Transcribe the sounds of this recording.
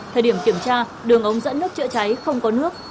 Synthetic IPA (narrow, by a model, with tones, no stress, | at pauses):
t̪ʰəː˨˩jɗi˧˩əmki˧˩əmt͡ɕaː˧ | ɗɨ˨˩əŋʔə˨˦wŋ͡mzə̰˧˥nːɨ˦˥k̚t͡ɕə̰˧˥t͡ɕa˨˦jxə˧wŋ͡mkɔ˨˦nɨ˦˥ək̚